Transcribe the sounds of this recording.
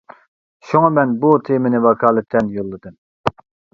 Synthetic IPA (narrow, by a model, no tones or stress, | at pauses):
ʃuŋɑmɛnbut̪ʰemɪnɪwɑkʰɑːlˠɨt̪ʰːɛnjolˠːɨd̪ɨm